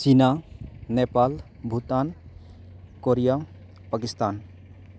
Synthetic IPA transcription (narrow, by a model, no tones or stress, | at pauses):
t͡ʃinanepal | bʱut̪an | koɾija | pakist̪aːn